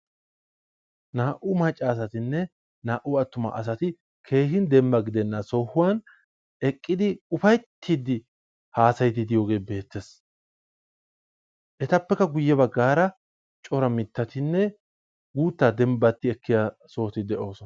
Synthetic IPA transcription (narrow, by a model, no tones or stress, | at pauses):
naːʔʊmɐt͡ʃʼːaːs̬ɐt̪ɪnːɛ | naːʔʊɐt̪ːʊmɐ̰ʔɐs̬ɐt̪ɪ | kʰe̞ːhɪnd̪ɛmbɐɡɪd̪ɛnːɐsoːhʊwɐn | ɛkʼːɪd̪ɪʊfɐjt̪ʰːiːd̪ɪ | haːsɐjt̪ɪd̪ɪjo̞ːɡe̞ːbe̞ːt̪ːes | ʔɛt̪ɐpːɛkːɐɡʊjːɛbɐɡːaːɾɐ | t͡ʃʼɔɾɐmɪt̪ːɐt̪ɪnːɛ | ɡuːt̪ːad̪ɛmbɐt̪ːɪɛkːɪja | so̞ːt̪ɪd̪ɛʔo̞ːsɔn